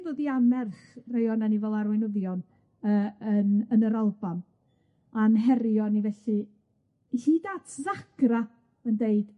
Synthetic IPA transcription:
voːðiamɛrχrejɔnanivɛlˠarwɛnʊðjɔn | əːənənəɾalˠban | anɦɛɾjɔnivɛɬɨ | iɬidaːtʰðaɡ̥ra | əndeɨd̥

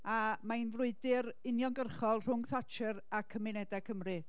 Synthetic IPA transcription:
amainvrʊɨdɪɾɪnjɔnɡərχɔlˠr̥ʊŋθat͡ʃʰɨɾakʰəmɪnɛdakʰəmrɨ

